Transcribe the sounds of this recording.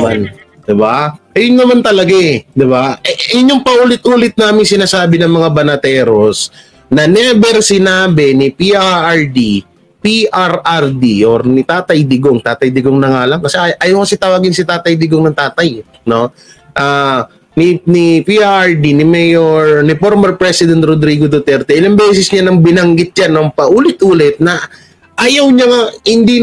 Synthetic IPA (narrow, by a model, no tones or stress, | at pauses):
man | d̪ɪbaʔɐjʊnːɐmant̪ɐlɐɡad̪ɪbaʔɛʔjʊɲjoŋpɐʔuːlɪt̪̚ʔuːlɪt̪̚naːmɪŋsɪnaːsaːbɪnɐŋmɐŋabɐnɐt̪ɛːɾo̞s | nɐnɛbɛɾsɪnaːbɛnɪpiʔaʔɐɹd̪i | piʔɐɾʔɐɾd̪iʔoɾnɪt̪aːt̪ɐjd̪ɪɡoŋt̪aːt̪ɐjd̪ɪɡoŋnɐŋaːlɐŋkɐsɛʔɐjɐwkɐsɛt̪ɐwaːɡɪnsɪt̪aːt̪ɐjd̪ɪɡoŋnɐŋt̪aːt̪ɐj | no̞ | ʔa | ninipiʔaɐɹd̪inɪmɛjoɹnɪpoɾmɐɾpɾɛsɪd̪ɛnt̪ɾod̪ɾiːɡod̪ot̪ɛɾt̪ɛʔɪlɐŋbɛːsɪsɲanɐŋbɪnɐŋɡɪt̪̚d͡ʒanːɐŋpɐʔuːlɪt̪̚ʔuːlɪt̪̚nɐ | ʔajɐwɲɐŋahɪnd̪i